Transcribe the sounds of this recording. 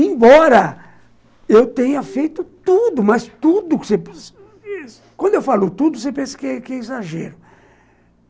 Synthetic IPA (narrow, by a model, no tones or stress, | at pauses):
ẽbɔɾɐ | ewt̪ẽɲɐfejt̪ʊt̪ud̪ʊmɐst̪ud̪ʊksep | kwɐ̃nd̪ʊewfalʊt̪ud̪ʊsepẽsɐ̥kɪɛkɪɛizaʒɛ̰ɾʊ